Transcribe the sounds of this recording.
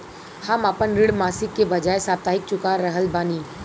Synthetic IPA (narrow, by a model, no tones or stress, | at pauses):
hɐmapənɾɪɽmaːsɪkːebɐd͡ʒaːesaːbt̪aːɦɪk̚t͡ʃʊkãɾəɦəlbaːniː